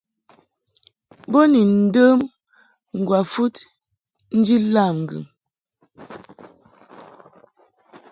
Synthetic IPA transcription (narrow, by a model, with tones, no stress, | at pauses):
bɔ˦ni˨n̩˨˦də˦m | ŋ̩˨ɡwa˨fu˦t | n̩˦d͡ʒi˦la˦˨mŋ̩˨ɡʉ̰˨m